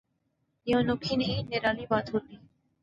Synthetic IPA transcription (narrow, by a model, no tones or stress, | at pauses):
ɪjõːnoːkʰiːniːneːɾaːliːbaːd̪ɦoːt̪iː